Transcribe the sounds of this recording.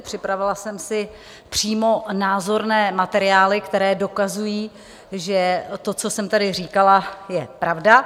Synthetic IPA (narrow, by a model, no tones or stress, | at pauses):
pr̥ɪpɾavɪlasɛmsɪ | pr̝̥iːmo̞naːzo̞ɾnɛːmat̪ɛɾɪaːlɪkt̪ɛɾɛːdo̞kazujiː | ʒɛt̪o̞t͡so̞sɛmt̪adɪr̝iːkalajɛpɾavda